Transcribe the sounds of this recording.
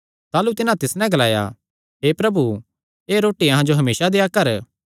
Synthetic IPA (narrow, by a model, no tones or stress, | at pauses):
t̪aːlut̪ɪnãt̪ɪsnɛ̃ɡɐlaːja̰ | ɦeːpɾɐbu | eːɾoːʈiɐɦãd͡ʒoɦɐmeːsad̪eːjakɐɾ